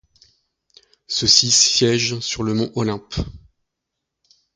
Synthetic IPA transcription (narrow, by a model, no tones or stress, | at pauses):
səsissjɛʒsyʁləmɔ̃ʔɔlɛ̃p